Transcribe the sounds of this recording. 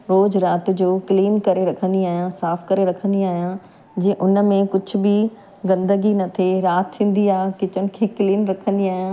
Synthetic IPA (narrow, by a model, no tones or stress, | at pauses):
ɾoːzɾaːt̪d͡ʑoːkɪliːmkɐɾeɾɐkʰə̃nd̪iaːɦijãsaːfʰkɐɾeɾɐkʰə̃nd̪iaːɦjã | d͡ʑeːʔʊn̆mẽkʊd͡ʑʰʱʊ̆bʱi | ɡɐ̃nd̪əɡinɐt̪ʰeɾaːt̪ʰːĩːn̆d̪iaːɦekɪt͡ɕənɪ̆kʰeːkliːnɾɐkʰə̃nd̪iaːɦjã